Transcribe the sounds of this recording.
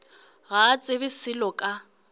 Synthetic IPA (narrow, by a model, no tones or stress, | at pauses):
ɣat͡sʼɪbɪsɪlɔkʼa